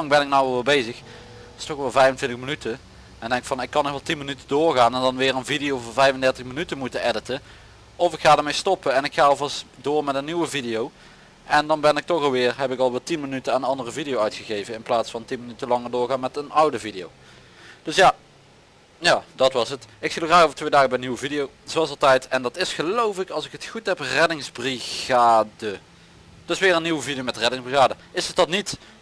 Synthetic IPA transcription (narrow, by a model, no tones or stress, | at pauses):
lɑŋbɛnɪk̚nawʋɛlˠʋɪlˠbejzəx | ɪstɔxʋɛlˠvɛjvəntʋɪntəxmənytə | ɛndɛŋɪktfɑnɪkːɑnɔxʋɛlˠtinmənytədʊːɹɣaːnɛndɑnʋɪːrənvidijowvvɛjvəndɛɹtəxmənytəmutəɛdətə | ɔvɪkxaːdəɹmejstɔpəɛnɪkxaːɔlˠvɑstdʊːɹmɛtənːiʋəvidijow | ɛndɑnbɛnɪk̚tɔxɑlˠʋɪːrɦɛpɪkɑlˠʋɪːlˠtinmənytəaːnənɑndərəvidijowœɥtxəɣejvənɪnplaːtsfɑntinmənytəlɑŋəɹdʊːɹɣaːnmɛtənʌwdəvidijo̰w | d̥ɵsjaː | jaːdɑtʋɑsətɪksilˠxraːxowvə̥ɹtʋejdaːɣəbɛjəniwəvidijow | z̥oʋɑlˠsɑlˠtɛjtɛndɑtɪsχəlowfɪkɑlˠsɪkɦətχutɦɛprɛdɪŋzbriɣaːdə | d̥ɵsʋɪːrənːiwəvidijomɛtrɛdɪŋzbriɣaːdəɪsətdɑtnit